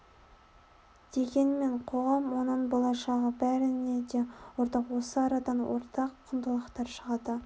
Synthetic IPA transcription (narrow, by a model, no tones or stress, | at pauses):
d̪̥e̞ɡʲe̞nme̞ɴqʰo̞ʁɑmwo̞nəɴbolˠɑʃɑʁəbæɾɪned̪e̞woɾt̪ɑqwo̞səɑɾɑd̪ɑnwo̰ɾt̪ɑqʰːʊnd̪əlˠɑqt̪ɑɾʃəʁɑd̪ə